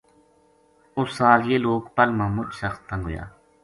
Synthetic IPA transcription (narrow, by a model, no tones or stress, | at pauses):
ʊsːaːljeːloːkpəlmãːmʊt͡ʃsəxsə̃ŋɡʱɦo̰ja̰ː